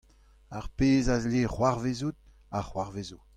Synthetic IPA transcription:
aʁpeːzazleːχwaʁvezut̪ | aχwaʁvezu

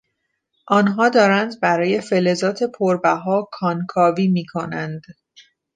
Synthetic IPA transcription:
ʔɒːnɦɒːd̪ɒːɾænd̪bæɾɒːje̞fe̞le̞zɒːt̪ʰe̞pʰoɾbæɦɒːkʰɒːnkʰɒːviːmiːkʰo̞nænd̪̥

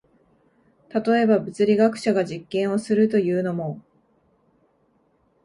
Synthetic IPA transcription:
t̪at̪o̞e̞babɯ̟t͡sɨɾʲiɡakɯ̟̥ɕaɡaʑikːẽɰ̃o̞sɨɾɯ̟t̪o̞jɯ̟ːno̞mo̞

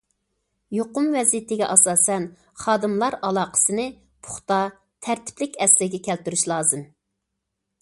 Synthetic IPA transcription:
joqʊmvɛzit̪ʰɪɡʲɛʔɑsɑːsɛn | χɑːd̪ɨmlˠɑɾɑlˠɑːqʰə̥sɨnɨ | pʰʊ̥χt̪ɑ | t̪ʰæɾt̪ʰɪ̥plɪkʲʰɛslɪɡʲɛkʲʰɛlt̪yɾyʃlˠɑːzɨm

